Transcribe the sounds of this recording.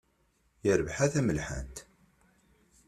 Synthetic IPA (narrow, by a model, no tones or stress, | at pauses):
jəɾəvħaθæməlħə̰nt̪